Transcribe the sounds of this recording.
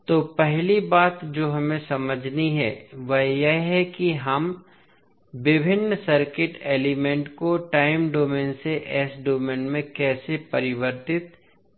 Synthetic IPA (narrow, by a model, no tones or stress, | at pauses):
t̪oːpɛɦlibaːt̪d͡ʒoːɦɐmẽsɐməd͡ʒʱniɦɛ̰ʋɐɦjeɦɛkiɦɐm | ʋɪbʱɪnːəsɐɾkɪʈeːlɪmẽɳʈkoʈaːɪmɖoːmẽːnseʔɛːsɖoːmeːnmẽkɛːsepɐɾɪʋəɾt̪ɪt̪